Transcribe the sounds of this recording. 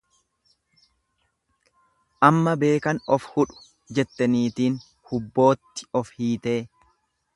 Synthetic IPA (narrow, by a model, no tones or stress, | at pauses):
ʔɐmːɐbe̞ːkɐnɔfhʊᶑʊ̥ | d͡ʒɛt̪ːɐniːt̪iːn | hʊbːo̞ːt̪ːɪ̥ɔfhiːt̪e̞ː